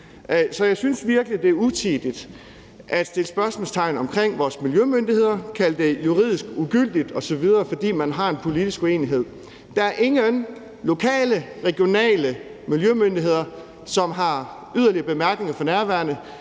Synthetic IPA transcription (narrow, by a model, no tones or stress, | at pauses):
sɒ̽jɑ̈ɪsynsʋiɐɡ̥əlid̥e̝æɐut͡sʰiːd̥id̥ | ʔæd̥sd̥e̝ləsb̥ɶɐsmɔ̽lst͡sʰɑ̈ɪ̰n̩ɒ̽mkʰʁeŋ̰ʋɒːsmiljømønd̥ihe̝ð̞̰ˠɐkʰæl̰d̥e̝juʁḭðˠisɡ̥uɡ̥yl̰d̥id̥ɒ̽sɒ̽ʋið̞ˠɐːfɒ̽d̥ḭːmænɦɑ̈e̝npʰo̝lid̥isɡ̥ue̝̰ːniɦe̝ð̞̰ˠ | d̥ɑæɐʔe̝ŋøn | lo̝kʰɛ̰ːləʁɛɡ̥jo̝nɛ̰ːlə | miljømønd̥iɦe̝ð̞̰ˠɐ | sɒ̽mɦɑ̈ | yð̞ˠɐliɐb̥e̝mæɐɡ̥ne̝ŋɐfɒ̽næɐʋæɐnə